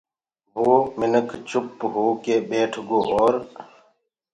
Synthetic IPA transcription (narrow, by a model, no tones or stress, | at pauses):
ʋoːmɪnəkʰt͡ʃʊpɦoːkeːbeːʈʰɡoːʔoːɾ